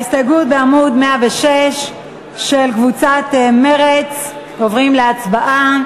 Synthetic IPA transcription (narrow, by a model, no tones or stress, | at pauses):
ist̪aɡut̚beamud̪meaveʃeʃː | elkvut͡sat̪meʁet͡s | ovʁimleat͡sbaʔa